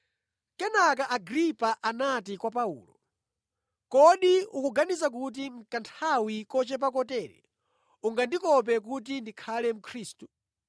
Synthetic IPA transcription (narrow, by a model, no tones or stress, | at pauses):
kɛnakaʔaɡɾipaʔanatikwapaṵːlɔ | kɔɗiukuɡanisakut̬im̩kantʰawikɔt͡ʃɛp̬akɔtɛːɾɛ̰ | uŋɡandikɔp̬ɛk̬ut̬indikʰalɛm̩kʰɾiːstu̥